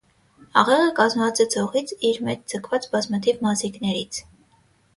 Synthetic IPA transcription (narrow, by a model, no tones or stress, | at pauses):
ɑʁɛʁəkɑzmvɑt͡sɛt͡sʰɔʁit͡sʰiɾmɛt͡ʃd͡zəkʰvɑt͡sbɑzmɑt̪ʰivmɑziknɛɾit͡sʰ